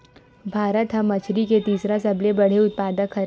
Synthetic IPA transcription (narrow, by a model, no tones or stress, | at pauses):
bʱaːɾət̪ɦɐ̃mːɐt͡ʃʰɾiket̪iːsɾasɐblebɐɽ̤eʊt̪̚paːd̪əkʰːɐɾ